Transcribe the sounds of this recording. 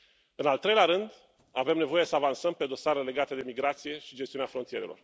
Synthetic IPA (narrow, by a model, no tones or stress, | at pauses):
ɨnalt̪ɾe̞jleaɾɨnd̪ | ave̞mne̞vo̞je̞səavansəmpe̞d̪o̞saɾele̞ɡat̪ed̪e̞miɡɾat̪sije̞ʃid͡ʒest̪iuneafɾo̞nt̪ije̞ɾe̞̰lo̞̰r